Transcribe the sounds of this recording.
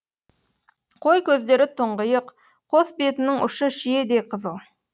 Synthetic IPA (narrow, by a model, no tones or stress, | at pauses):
qʰojkʲʰɵzd̪e̞ɾɪt̪ʰʊɴʁəjəq | qʰːo̞sbe̞t̪ɪnɪŋʊ̰ʃəʃije̞d̪e̞qʰəzəlˠ